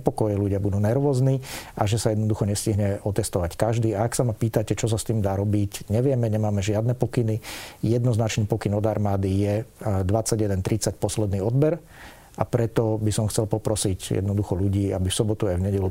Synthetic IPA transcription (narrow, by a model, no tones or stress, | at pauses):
pɔkɔjɛʎuɟɪabud̪uːnɛɾʋɔːzniːaʒɛsajɛd̪nɔd̪uxɔɲɛsciɦɲɛɔt̪ɛst̪ɔʋackaʒd̪iːaaksamapiːt̪acɛt͡ʃɔs̬ast̪iːmd̪aːɾɔbicɲɛʋɪɛmɛɲɛmaːmɛʒɪad̪nɛpɔkinijɛd̪nɔznat͡ʃniːpɔkinɔd̪aɾmaːd̪ijɛd̪ʋat͡sːaɟjɛd̪ɛnt̪ɾit͡sacpɔslɛd̪niːɔd̪bɛɾ | apɾɛt̪ɔbisɔmxt͡sɛlpɔpɾɔsicjɛ̰d̪nɔd̪uxɔluɟiːabifsɔbɔt̪uajvɲɛɟɛlu